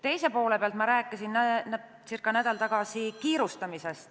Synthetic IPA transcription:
t̪e̞jse̞po̞ːle̞peɑlt̪mɑɾæːkːˑisinːæn | sirkːˑɑnæd̪̥ɑlt̪ɑɡ̥ɑsikiːɾust̪ɑmisest̪

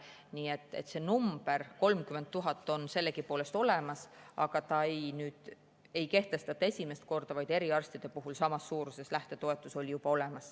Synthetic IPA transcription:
niːet̪ːˑe̞̰t̪ːse̞numb̥e̞ɾko̞lmkyment̪ːuɦɑt̪ːˑo̞nse̞lːekipo̞ːle̞st̪o̞le̞mɑsɑɡ̥ɑt̪ɑejnyːd̪̥ | e̞jke̞ht̪e̞st̪ɑt̪ːesʲime̞st̪̚ko̞rd̪̥ɑvɑjd̪e̞ɾiɑrst̪id̪e̞puɦulsɑmɑsːuːɾuse̞slæht̪e̞t̪o̞e̞t̪ːˑuso̞lʲijub̥ɑo̞le̞mɑs

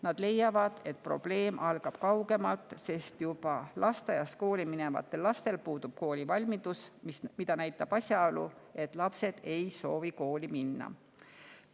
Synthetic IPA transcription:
nɑd̪̥le̞jːɑvɑd̪̥e̞t̪̚ˑpro̞̰b̥le̞ːmʔɑlɡ̥ɑb̥kɑwɡe̞mɑlt̪ːˑse̞st̪jub̥ɑlɑst̪ɑjɑst̪̚ko̞ːlʲimine̞vɑ̰t̪ːˑe̞lːɑst̪e̞lpuːd̪ub̥̚ko̞ːlʲivɑlʲmid̪̥usmismid̪̥ɑnæjt̪ːˑɑb̥ɑsʲjɑolṵe̞t̪ːˑlɑpse̞d̪̥e̞jso̞ːviko̞ːlʲiminːɑ̰

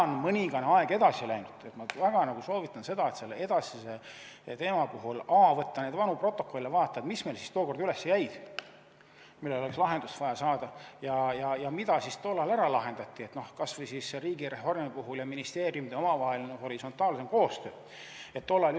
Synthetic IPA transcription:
nmɤnʲiŋɡ̥ɑneɑeɡ̥e̞d̪̥ɑsilæjnud̪̥et̪mɑvæɡ̥ɑnɑɡ̥uso̞ːvit̪ːˑɑnse̞d̪ɑe̞t̪se̞lːee̞d̪̥ɑsise̞ | t̪e̞ːmɑpuɦulɑvɤt̪ːɑne̞d̪vɑnupro̞t̪ːˑo̞kːˑo̞lʲilevɑːt̪ːˑɑd̪misme̞lsist̪oːko̞rd̪yle̞sːejæjd̪̥ | milːe̞lo̞lekslɑɦe̞nd̪ust̪vɑjɑsɑːd̪̥ɑjɑjɑjɑmid̪̥ɑsist̪o̞lːɑlæɾɑlɑɦe̞nd̪̥ɑt̪ːiet̪no̞hkɑsvɤjsisːeriːɡire̞fo̞rmipuɦuljɑminist̪eːɾijumid̪̥eo̞mɑvɑɦe̞lineho̞ɾiso̞nt̪ːˑɑːlse̞mko̞ːst̪øː | et̪ːo̞lːɑl

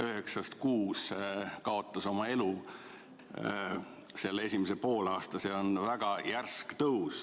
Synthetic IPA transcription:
yɦeksɑst̪kuːskɑo̞t̪ːˑɑso̞mɑe̞lu | se̞lːe̞sʲimesepo̞ːlɑːst̪ɑseo̞nvæɡ̥ɑjærskt̪ɤus

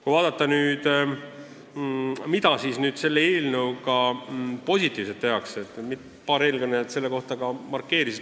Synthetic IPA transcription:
kujvɑːd̪̥ɑt̪ːˑɑnyːd̪̥ | mid̪ɑsiːsnyːd̪̥se̞lːeelnewkɑpo̞sʲit̪ːˑiːvset̪ːe̞ɦɑkset̪ːmit̪ | pɑːɾe̞ːlɡɑnet̪se̞lːe̞ko̞ht̪ɑkɑmɑrkːe̞ːɾisid̪

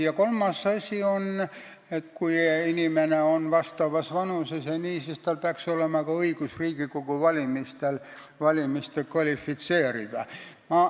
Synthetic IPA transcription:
jɑko̞lmɑsɑsʲio̞n | et̪kuiinimene̞o̞nvɑst̪ɑvɑsvɑnusesjɑniːsist̪ɑːlpeɑkso̞le̞mɑkɑɤiɡ̥usriːɡ̥iko̞ɡ̥uvɑlʲimist̪el | vɑlʲimist̪elkvɑlʲifːit̪se̞ːɾid̪̥ɑ̰ | mɑ

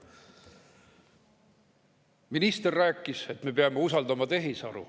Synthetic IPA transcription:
minist̪e̞rːæːkːˑise̞t̪ːme̞peɑmeusɑld̪ɑmɑt̪e̞ɦisɑɾṵ

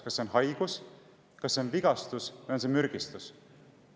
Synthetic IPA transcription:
kɑsːeonɦɑjɡ̥us | kɑsːe̞o̞nviɡ̥ɑst̪usvɑjons̬emyɾɡ̥ist̪us

